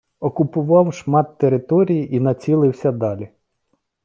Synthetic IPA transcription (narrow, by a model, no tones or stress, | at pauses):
ɔkʊpʊʋɑwʃmɑt̪ːeɾɪt̪ɔɾʲijiʔinɐt͡sʲilˠɪwsʲɐd̪ɑlʲi